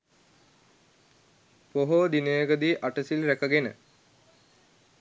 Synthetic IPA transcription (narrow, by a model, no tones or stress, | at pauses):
poɦod̪inejəɡəd̪iʔaʈəsilɾækɐɡenə̰